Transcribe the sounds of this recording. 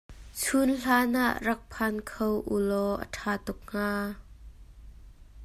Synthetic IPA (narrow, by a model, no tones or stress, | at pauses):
t͡sʰunɬaːnʔaʔrɐk̚pʰankʰowʔṵlɔʔə̰tʰaːt̪ʊk̚ŋ̥aː